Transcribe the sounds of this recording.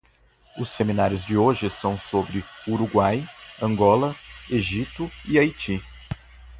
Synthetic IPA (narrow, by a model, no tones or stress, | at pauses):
ʊseminaɾjʊzd͡ʒɪoʒɪsɐ̃w̃sobɾɪuɾuɡwajɐ̃ŋɡɔlɐeʒit̪ʊiajt͡ʃi